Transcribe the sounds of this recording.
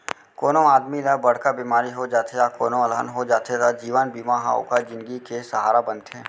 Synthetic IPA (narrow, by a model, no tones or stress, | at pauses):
koːnõaːd̪milabɐɽ̤kabiːmaːɾiɦod͡ʒaːt̪eɾakoːnõɐlɦə̰nɦod͡ʒaːt̪ʰeɾad͡ʒiːʋənbiːmaɦa̰o̰kad͡ʒɪ̃nd̪ɡikesəɦaːɾabə̃nt̪ɛ̃ː